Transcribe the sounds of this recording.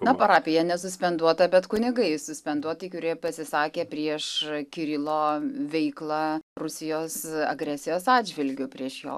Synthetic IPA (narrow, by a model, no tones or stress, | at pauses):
nɐpɐɾɑːpʲɪjɛnʲɛsʊsʲpʲɛnd̪uɔt̪ɐbʲɛt̪kʊnʲɪɡɐɪsʊsʲpʲɛnd̪uɔt̪ɪkʊɾʲiɛpɐsʲɪsɑːkʲeːpʲɾʲiɛʃkʲɪɾʲɪlˠoːʋʲɛɪklˠɑrʊsʲɪjoːsɐ̰ɡɾʲæːsʲɪjoːsɑːdʲd͡ʒʲʋʲɪlʲɡʲʊpʲɾʲiɛʃjo̰ː